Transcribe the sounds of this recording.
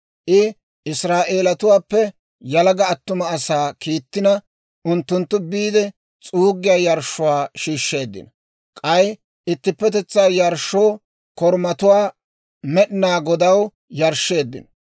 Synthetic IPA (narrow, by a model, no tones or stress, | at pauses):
ʔɪ | ʔɪsɾaːʔe̞ːlɐt̪ʊwaːpːɛ | jɐlɐɡɐːt̪ːʊmɐːsaːkiːt̪ːɪnɐ | ʔʊnt̪ːʊnt̪ːʊbiːd̪ɛ | t͡sʼuːɡːɪjaːjɐɾʃːʊwaːʃiːʃːe̞ːd̪ːɪ̰nɐ | kʼɐj | ʔɪt̪ːɪpːɛt̪ɛt͡sːaːjɐɾʃːoː | kɔɾmɐt̪ʊwaː | mɛɗɪnaːɡɔd̪ɐw | jɐɾʃːe̞ːd̪ːɪ̰nɐ